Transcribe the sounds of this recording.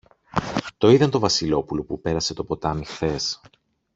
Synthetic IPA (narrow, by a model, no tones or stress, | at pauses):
t̪o̞iðɐnt̪o̞vɐsilo̞pulo̞pupe̞ɾɐse̞t̪o̞po̞t̪ɐmixθe̞s